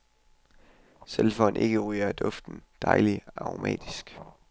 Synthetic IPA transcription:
selfɒ̽nʔe̝ɡ̥əʁyːɐd̥ɔ̽fd̥n̩d̥ɑ̈ɪliɑ̈ʁomɛ̰ːd̥isɡ̥

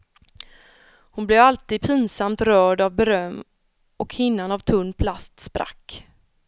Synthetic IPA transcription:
hʊnblɛvalt̪iːd̪̚pʰiːnsamt̪ɾœːɖavbɛɾœmː | ʔɔkhɪnːanavt̪ʰɵnːpʰlast̪spɾa̰kː

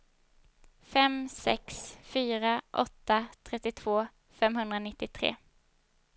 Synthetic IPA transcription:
fɛmsɛ̰ksfyːɾaʔɔ̰t̪ːat̪ʰɾɛt̪ːɪt̪ʰv̥oː | fɛmɦɵnd̪ɾanɪt̪ːɪt̪ʰɾḛː

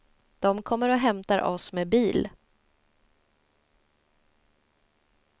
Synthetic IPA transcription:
d̪̥ɔmkʰɔmːəɾɔɦɛmt̪aɾʔɔsmeːbiːl

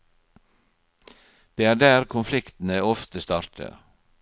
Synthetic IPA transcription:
d̪̥eːæːɖæːɾkʰʊnflɪkt̪n̩əɔft̪əst̪ɑːɾtʰə̰

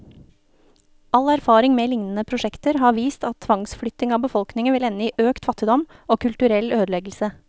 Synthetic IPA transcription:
ɑlæɾfɑːɾɪŋmeːlɪŋnən̩əpʰɾʊʃɛkt̪əɾhɑːʋiːst̪ɑt̪t̪ʰʋɑŋsflʏt̪nɪŋɑːbəfɔlknɪŋəʋɪlɛnːəiːʔøːkt̪fɑt̪ɪd̪ɔmʔoːkʰʉlt̪ʉɾɛløːd̪lɛɡl̩sə

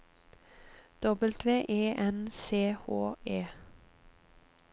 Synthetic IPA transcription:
d̪̥ɔbəlt̪ʰʋeːʔeːʔɛnseːhoːeː

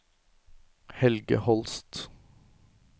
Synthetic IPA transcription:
hɛlɡə̰hɔlst̪

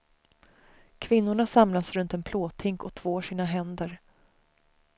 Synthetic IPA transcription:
kʰvɪnːʊɳasamlasɾɵnt̪ɛnpʰloːt̪ʰɪŋkɔt̪ʰv̥oːʂiːnaɦɛnd̪əɾ

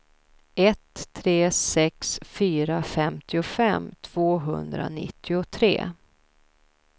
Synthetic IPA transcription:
ɛt̪ʰːɾeːsɛksfyːɾafɛmt̪ʰɪʊfɛmːt̪ʰv̥oːɦɵ̰nd̪ɾa̰nɪ̰t̪ʰːɪʊt̪ʰɾḛː

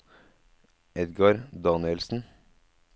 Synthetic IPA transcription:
ɛd̪ɡɑɾd̪ɑːnɪɛlsn̩

